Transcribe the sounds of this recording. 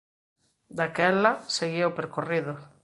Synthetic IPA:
d̪akɛlaseɣiopeɾkoriðʊ

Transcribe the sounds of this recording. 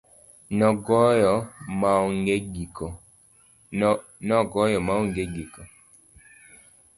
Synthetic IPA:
nɔɡɔjɔmaɔŋɡeɡikɔ | nɔɡɔjɔmawŋɡeɡikɔ

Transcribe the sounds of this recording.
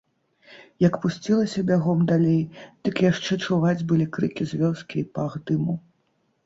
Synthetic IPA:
jɐkpusʲt͡sʲilˠɐsʲɐbʲaɣɔmd̪alʲejd̪̥ɨkjaʂt͡ʂɛt͡ʂuvad͡zʲbɨlʲikɾɨkʲizʲvʲɔskʲiːpaɣd̪ɨmu

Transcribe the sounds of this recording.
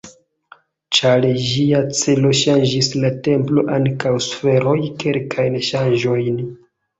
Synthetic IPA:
t͡ʃald͡ʒiat͡selo̞ʃand͡ʒislate̞mplo̞ʔaŋkawsfe̞ɾo̞jke̞lkʰajnʃand͡ʒo̞jn

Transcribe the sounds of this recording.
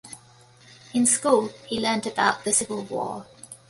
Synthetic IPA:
ɪ̃nskuːlˠhilɜ̃ːˑndəbaʊʔðəsɪvəlˠwɔ̰ː

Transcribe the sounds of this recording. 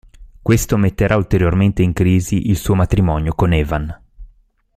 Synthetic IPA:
kwest̪omet̪ːeɾʔault̪eɾjorment̪eiŋkɾiːziʔilsuːomat̪ɾimɔnjokonɛːvan

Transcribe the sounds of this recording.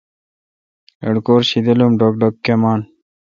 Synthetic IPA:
eɽkoːɾɕid̪elumɖokɖokːemaːn

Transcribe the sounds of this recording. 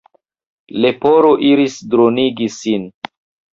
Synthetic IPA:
le̞poɾoʔiɾisdɾoniɡisin

